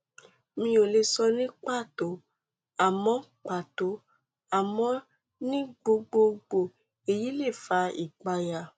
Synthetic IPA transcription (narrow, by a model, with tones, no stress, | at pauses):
mĩ˧˦o˨le˧sɔ˧nĩ˦k͡pa˦˨to˨˦ | a˨mɔ̃˨˦k͡pa˨to˨˦ | a˨mɔ̃˧ | nĩ˦ɡ͡bo˧ɡ͡bo˧ɡ͡bo˨ | e˨ji˨˦le˦˨fa˧i˨ɡ͡ba˧ja˧˨